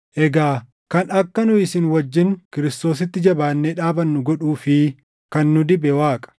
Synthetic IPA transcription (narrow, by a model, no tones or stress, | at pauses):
ʔɛɡaː | kɐnɐkːɐnʊɪsɪnwɐd͡ʒːɪnkɪɾɪst̪o̞ːs̬ɪt̪ːɪd͡ʒɐbaːnːeᶑaːbɐnːʊɡɔᶑuːfɪ | kɐnːʊd̪ɪbɛwaːkʼɐ̥